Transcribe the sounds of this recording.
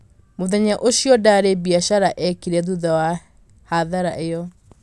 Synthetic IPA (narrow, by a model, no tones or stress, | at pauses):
moðɛɲaʔoɕjɔdaɾebiaʃaɾaʔɛkiɾɛðuðawa | haðaɾaʔejɔ